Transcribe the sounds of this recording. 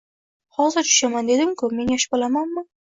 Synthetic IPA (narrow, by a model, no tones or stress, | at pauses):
hɒzɪɾt͡ʃʰʊ̥ʃamand̪e̞d̪ɪmkʰʊme̞njaʃɪ̥bolamanmɪ